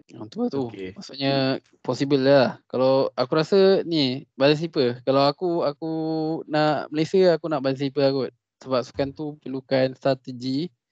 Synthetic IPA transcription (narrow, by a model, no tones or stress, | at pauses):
ũnt̪uat̪umaʔsuʔɲə | pɔsibəllahkalawakuɾasənibaləs̬lipəkalawakuakunaʔməlajsjaakunaʔbaləs̬lipəakut | səbap̚su̥kant̪upəlukanst̪ɾat̪əd͡ʒi